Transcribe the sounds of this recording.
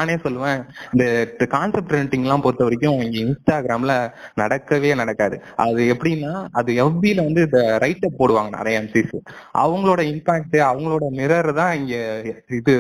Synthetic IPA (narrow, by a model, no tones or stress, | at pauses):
naːneːsɔlːɯʋẽːɪnd̪ɐkaːnsɛp̚ʈɾɛɳʈːɪŋɡɐlãːpɔɾɯt̪ːɐʋɐɾɪk̬ʲːʊ̃ɪŋɡeɪnsʈaːɡɾaːmɪlɐnɐɽɐkːɐʋeːnɐɽɐkːaːðɯʔɐ̰ðɯɛpːɐɽɪnːaːɐðɯɛʋbilɐʋɐnd̪ɯɪnd̪ɐɾɐɪʈːɐpːoːɽɯʋãːŋɡɐna̰ːɾɐɛmsisʔɐ̰ʋɐŋɡɐɭoːɽɐɪnpaːk̚ʈɯɐʋɐŋɡɐɭoːɽɐnɪɾɐɾɐt̪ãːɪŋɡeːɪðɯ